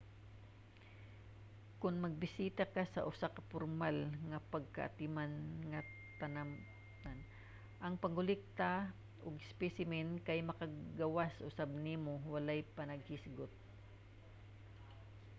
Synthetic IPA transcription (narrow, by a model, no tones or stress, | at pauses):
kʊnmɐɡ̚bɪsiːt̪akasɐ̰ʔʊsakɐpʊɾmalŋɐpɐɡ̚ka̰ʔa̰t̪ɪmanŋɐ | t̪ɐna | an | ʔɐŋpɐŋʊlɪk̚t̪a | ʔoɡɪspɛsɪmɛnkajmɐkaɡawasʔʊsab̚nimowɐlajpɐnɐɡ̚hɪsɡʊt̪̚